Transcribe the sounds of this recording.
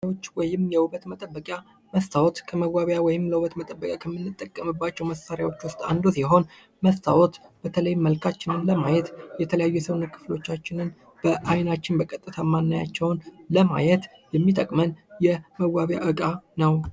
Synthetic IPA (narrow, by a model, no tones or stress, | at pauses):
wot͡ʃːwɔjɪmjɛwuβət̪mət̪ʼəbːəkʼja | məst̪ʰawot̪kʰəməɡʷaβjawɔjɪmləwuβət̪mət̪ʼəbːəkʼakʰəmːɨnːɨt̪ʼːəkʼːəmɨbːat͡ʃːɛwməsːaɾjawo̞t͡ʃːwʊst̪ʼa̰nd̪usiɦo̞n | məst̪ʰawɔt̪b̥ət̪ʰələjməlkʰat͡ʃːɪnɨnləmajɛt̪jɛt̪ʰələjajːujɛsəwnukʰɨ̥flo̞t͡ʃːat͡ʃːɪnɨn | b̥əʔajnat͡ʃːɪnbəkʼət̪ʼːɨt̪ʰamanːaja̰t͡ʃːɛwnləma̰jɛt̪ | jɛmːit̪ʼəkʼmənjɛməɡwaβja̰ʔɨkʼanəw